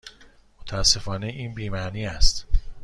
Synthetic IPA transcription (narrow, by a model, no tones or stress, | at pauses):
mot̪ʰæsːe̞fɒːneʔiːnbiːmæniːæst̪